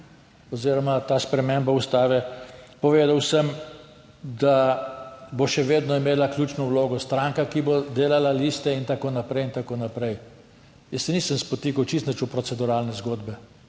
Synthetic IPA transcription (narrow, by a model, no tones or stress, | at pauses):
ɔziːɾɔmat̪aːspɾɛmembaust̪aːʋɛpɔʋeːd̪awsəm | d̪a | boʃɛʋeːd̪nɔimeːlaklʲjuːt͡ʃnɔwloːɡɔst̪ɾaːŋkakibod̪eːlalaliːst̪ɛint̪akoːnapɾɛjint̪akoːnapɾɛj | jɛsːɛniːsəmspɔt̪ikɐwt͡ʃist̪nət͡ʃupɾɔt͡s̪ɛd̪uɾaːlnɛzɡoːd̪bɛ